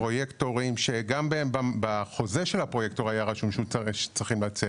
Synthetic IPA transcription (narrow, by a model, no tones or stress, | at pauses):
pʁo̞jekto̞ʁimʃeɡambeembabaχo̞zeʃelhapʁo̞jekto̞ʁajaʁaʃumʃuʃe̥t͡sʁiχimlat͡se